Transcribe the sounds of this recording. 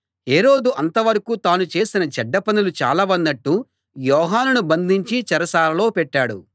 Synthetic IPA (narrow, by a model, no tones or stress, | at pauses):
ɦe̞ːɾo̞ːd̪uʔɐnt̪ɐʋɐɾɐkut̪aːnut͡ʃe̞ːsinɐt͡ʃɛɖːɐpɐnilut͡ʃa̰ːlɐʋɐnːɐʈːu | jɔːɦaːnunubɐnd̪ʱiɲt͡ʃit͡ʃɐɾɐsaːlɐlo̞ːpɛʈːaːɽṵ